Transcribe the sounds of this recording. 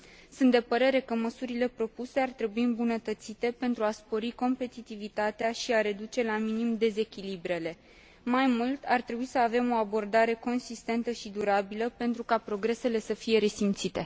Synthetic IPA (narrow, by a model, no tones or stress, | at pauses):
sũnt̪d̪e̞pəɾe̞ɾe̞kəməsuɾile̞pɾo̞puse̞art̪ɾe̞buiɨmbunət̪ət̪sit̪e̞pe̞nt̪ɾuaspo̞ɾiko̞mpe̞t̪it̪ivit̪at̪eaʃiaɾe̞d̪ut͡ʃe̞laminimd̪e̞ze̞kʲilibɾe̞le̞ | majmult̪art̪ɾe̞buisəave̞mo̞abo̞rd̪aɾe̞ko̞nsist̪e̞nt̪əʃid̪uɾabiləpe̞nt̪ɾukapɾo̞ɡɾe̞se̞le̞səfije̞ɾe̞simt̪sit̪e̞